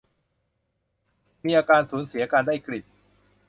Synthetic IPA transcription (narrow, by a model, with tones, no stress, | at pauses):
miː˧ʔaː˧kaː˧nsuː˩˦nsi˩˦ɐʔaː˧kaː˧ndaː˥˩jkɾi˨˩t̪̚